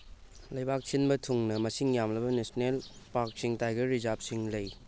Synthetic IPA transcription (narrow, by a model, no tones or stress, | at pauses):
lɐjbak̚sinbɐtʰuŋnɐmɐsiŋjamlɐbɐnesonelpaɾk̚siŋtajɡɐɾizap̚siŋlɐj